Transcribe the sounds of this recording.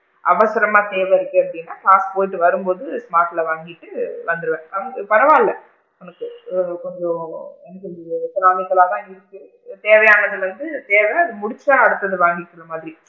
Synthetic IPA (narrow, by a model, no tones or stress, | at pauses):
ʔɐ̰ʋɐsɪɾɐmaːt̪eːʋɛɪɾɯkːɯɐpɽɪnːaːkaːspoːjɪʈːɯʋɐɾɯmpoːðɯsmaːʈːɪlɐʋaːŋɡɪʈːɯʋɐnd̪ɯɾɯʋẽːɐnɡɯpɐɾɐʋãːɪlːɐ | ɔnɐkːɯkɔɲd͡ʒõɛnɐkɪlsɪɾaːmɪkːɐɭaːt̪ãːɪɾɯk̪ɡɯ | t̪eːʋɐjaːnɐðɯʋɐnd̪ɯt̪eːʋɛɐðɯmʊɽɪt͡ʃːaːɐɽɯt̪ːɐðɯʋaːŋɡɪkːɯɾɐmaːðɪɾi